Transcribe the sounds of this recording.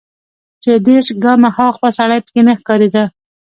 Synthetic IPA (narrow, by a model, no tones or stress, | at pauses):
t͡ʃed̪eʃɡɑmahɑxpasaɽajpə̥kenaxkɑɾed̪a